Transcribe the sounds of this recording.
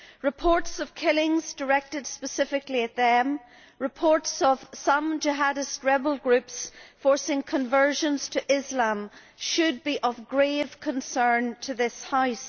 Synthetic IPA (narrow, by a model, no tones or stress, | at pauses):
ɹɨpʰɔɹtsʌv̥kʰɪlˠɪ̃ŋzdə˞ɛk̚tɨd̥spəsɪfɪkliɨt̪̚ðə̃m | ɹɨpʰɔɹtsʌv̥sʌ̃md͡ʒɪɦaɾɪst̚ɹɛbəl̩ˠɡɹʉpsfɔɹsɪ̃ŋkʰə̃ɱvɜ˞ʒə̃nz̥tʰɨʔɪzlãm | ʃɨd̚biʔəvɡɹev̥kʰə̃nsɜ̃˞ntʰəðɪshaɪs